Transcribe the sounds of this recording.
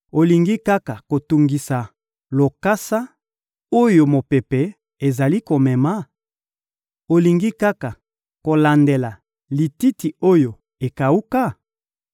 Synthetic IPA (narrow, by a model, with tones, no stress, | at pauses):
o˨li˨ŋɡi˦ka˦ka˨ko˨tu˨ŋɡi˨sa˨ | lo˨ka˦sa˦ | o˦jo˨mo˨pe˨pe˨ | e˨za˨li˦ko˨mɛ˨ma˦ | o˨li˨ŋɡi˦ka˦ka˨ | ko˨la˨nde˨la˨ | li˨ti˦ti˨o˦jo˨ | e˨ka˨u˦ka˦